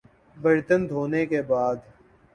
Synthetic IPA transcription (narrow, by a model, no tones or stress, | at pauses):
bɪɾt̪ənd̪ʱoːnekebaːd̪